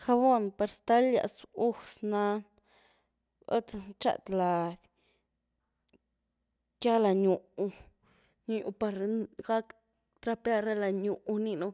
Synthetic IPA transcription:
xa˧bo˦npa˧ɾst̪a˦lja̰˧˨su˦sna˧n | o̰˦t͡sa˧t͡ʃa̰˧˨t̪la˨ | ka˦la˨ɲu˨u˧ | ɲu˧˨ju˧pa˧ɾɡa˦k | t̪ɾa˦˧pa˦ɾa˦la˨ɲu˨ʔni˧nu˧

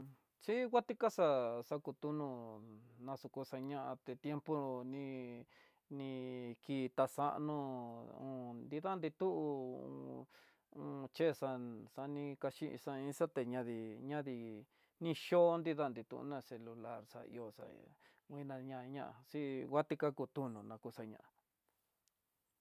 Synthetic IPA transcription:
t͡ʃi˦ɡʷa˦t̪i˦ka˦sa˧sa˧ku˧t̪u˦nũ˧nã˧su˧ku˧sa˧ɲã˦ʔã˧t̪e˧t̪je˦mpo˦nĩ˧ | nĩ˧kiː˧t̪a˧sa˦ʔnũ˧ũ˧nd̪i˧ða˦nd̪i˧t̪u˦ʔṵ̃˧ | ũ˧t͡ʃe˦˧sa˧sa˧nĩ˧ka˧ʃĩ˦˧ʔḭ̃˧sa˧ĩ˦sa˦t̪e˧ɲã˧ði˧ɲã˦ði˧ | nĩ˧ʃo˦nd̪i˦ða˦nd̪i˧t̪ṵ̃˧ʔṵ˧nã˧se˧lu˧la˦ɾsa̰˧ḭ˧o˧sa̰˧ | wʷĩ˦˧nã˧ɲã˧ɲã˦ʔa̰˧˨si˦ɣa˦t̪i˦˧ka˦ku˧t̪u˦nũ˧nã˧ku˧sa˧ɲã̰˧˨ã˨

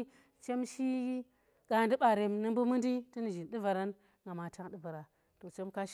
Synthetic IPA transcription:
t͡ʃe˦mʃi˦ | ɡa˨ndi˦ɓa˨ɾe˨mnɨ˦m˦bu˦mɨ˦ndi˦ti˦ni˨ʒi˨nɗi˦va˨ɾa˦n | ŋɡa˨ma˨ta˦ŋɗi˦va˨ɾa˨ | to˨t͡ʃe˦mka˦ʃ

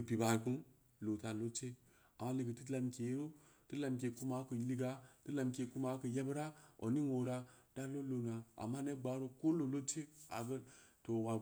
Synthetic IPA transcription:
ə˨pi˨ba˨ku˦n | lo˨ta˨lo˦t͡ʃe˦ | a˨ma˦li˨ɡə˨ti˦la˨mke˨˦ɾo˦tə˦la˨mk̬e˨ku˦ma˦kə˨li˦ɡa˨tə˦la˨mkʲe˨ku˦ma˨˦kə˨ja˦bɾa˦o̰˨ni˦no˨ɾa˦d̥a˦lo˦lo˨na˨a̰˨mːa˦ne˦ɡ͡ba˨˦ɾo˦ko˦lo˨lo˦t͡ʃe˦a̰˨ɡə˦to˨wa˨

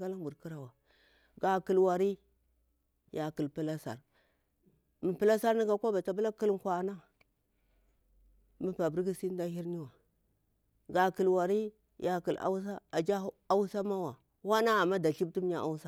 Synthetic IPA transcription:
ka˦la˦bu˨ɾki˦ɾa˨wa˨ | ɡa˨ki˨lwa˨ɾi˦ | ja˨ki˨lpi˦la˦sa̰˨ɾ | mi˨pi˦la˦sa˦ɾni˦ɡa˦kʷa˦ba˨ta˨bu˦la˦ki˦lŋ˨kʷa˨na˦ | mi˦pa˨bɾɡi˦si˦n˦da˦hi˦ɾni˦wa˨ | ɡa˨ki˨lwa˨ɾi˦ | ja˨ki˨la̰˦s̬a˦a˨d͡ʒa˦a˦wsa˦ma˦wa˨ | wa˦na˦a˨mːa˦da˨ɬi˦b̚ti˦m˦ɲa˦ʔa̰˦wsa˦

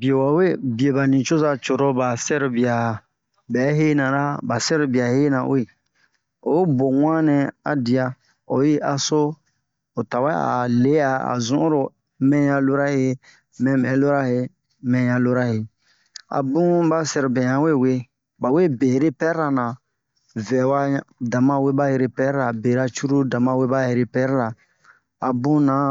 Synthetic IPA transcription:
bi˨e˨wa˨we˦bi˨e˨ba˨nĩ˨t͡ʃo˦za˦t͡ʃo˨ɾo˦ba˨sɛ˦ɾu˨bi˨a˨ | bɛ˨˦ɦe˦nã˨ɾa˦ba˨sɛ˦ɾu˨bi˨a˨he˦nã̰˨we˦˨ | o˨i˦bo˨ŋã˦nɛ̃˨a̰˨di˨a˨ | o˨ji˦ʔa˨so˦ | o˨ta˨wa˦a̰˨le˨˦a˨a̰˨zũ˦ʔɾo˨ | mɛ̃˦jã˧lo˦ɾa˦he˦ | mɛ̃˨mɛ̃˨˦lo˦ɾa˦he˨ | mɛ̃˨jã˨lo˦ɾa˦he˨ | a̰˨bũ˦ba˦sɛ˨ɾbɛ̃˨jã˨˦we˦˨we˦ | ba˨we˦˨be˨ɾe˦pɛ˦ɾɾa˨nã˨ | vɛ˨wa˦dã˨mã˦we˦ba˦je˧ɾe˦pɛ˦ɾɾa˨be˨ɾa˦t͡ʃu˦ɾu˦dã˨mã˦we˦ba˦e˨ɾe˦pɛ˦ɾɾa˨ | a˨bũ˦nã˨˦

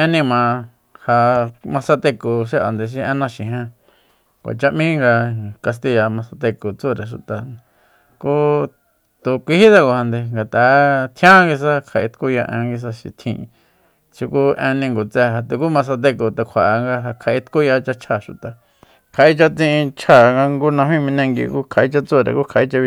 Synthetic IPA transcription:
ẽ˧nĩ˧mã˨ | ha˧mã˧sa˧t̪e˧ko˨ʃe˦ʔa̰˨nd̪e˧ʃ̬i˧ẽ˧nã˧ʃĩ˨ɦẽ˧ | kʷa̰˨t͡ʃa˧ʔmĩ˦ŋɡa˧ka˧s̬t̪i˧ja˨˧mã˧sa˧t̪e˧ko˨t͡su˦˨ɾe˨ʃ̬u˨t̪a˨ | ku˦ | t̪u˧kʷi˧hi˦t̪a˧ko˧ha˧nd̪e˧ŋɡa˨t̪a˨˦t̪ʰj̃ã˦ŋɡi˧s̬a˦kʰa˧˨ʔi˧t̪ku˦ja˧ʔḛ̃˧ŋɡi˧s̬a˧ʃḭ˨t̪ʰḭ̃˧ | t͡ʃi˧ku˦ʔẽ˧nĩ˧ŋɡo˨t͡sɛ˧ɦa˧t̪e˧ku˦mã˧s̬a˧d̪e˧ko˨t̪e˨kʷʰa˨˧ŋɡa˧ɦa˧kʰa˨ʔi˧t̪ku˦ja˧t͡ʃa˧t͡ʃʰa˧˨ʃu˨t̪a˨ | kʰa˨ʔi˦t͡ʃa˧t͡sĩ˧ʔĩ˧t͡ʃʰa˦˨ŋɡa˧ŋɡu˦nã˧mĩ˦mĩ˧nẽ˧ŋɡḭ˧ku˦kʰa˨ʔi˧t͡ʃa˧t͡so˦˨ɾḛ˨ku˦kʰa˨ʔi˧t͡ʃa˧

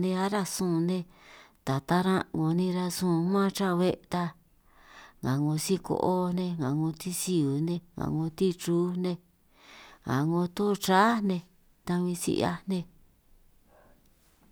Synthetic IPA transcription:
nẽ˧a˦ɾa˧sũ˦˧˨nẽ˧ | t̪a˨t̪a˦ɾã˦ŋo˨˧nĩ˧ɾa˧sũ˦˧˨mã˦˧t͡ʃã˦˧βe˦ʔt̪a˧ | ŋã˨ŋõ˧si˦ko̰˧ʔo˦nẽ˧ŋã˨ŋõ˧t̪i˦si˧u˨nẽ˧ŋã̰˨ŋõ˧t̪i˦t͡ʃuː˦nẽ˧ | ŋã̰˨ŋõ˧t̪õ˦˧t͡ʃa˦nẽ˧ | t̪a˧βĩ˧sḭ˧ʔa̰˧nẽ˧

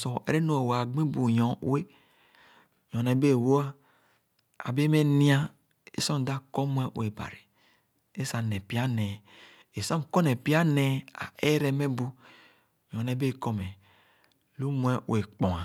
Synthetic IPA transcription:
sɔ˨ɛ̰˨ɾe˦no˦e˨wa˨ɡ͡bĩ˦bu˨jɔ̰̃˨˦e˦ | jɔ̃˨nɛ˨˦be˦˨wo˦a˦ | a̰˨be˦me˦nĩ˦a˦ | ḛ˦sɔ˦˨da˦kɔ˦mu˦ɛ˦ʔw̰e˨ba̰˨ɾi˨ | e˦sa˨nɛ̃˨pi˦a˦nɛ˨ | e˨sã˦m˨kɔ˦nɛ˨pi˦a˦nɛ˨a̰˨e˦ɾɛ˦mɛ˦bu˦ | jɔ̃˨nɛ˨˦be˦˨kɔ˦mɛ˨ | lu˦m˦ɛ˦w̰e˨k͡pɔ̃˨a˨

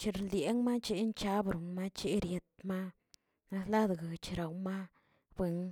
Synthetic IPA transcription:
t͡ʃe˧ɾlje˨˦ŋma˦t͡ʃe˧˦nt͡ʃa˦bɾu˨nma˦t͡ʃe˦ɾje˧t̪̚ma˦ | na˧sla˦d̪ɡa˨t͡ʃɾa˨wma˦ | bwe˧ŋ

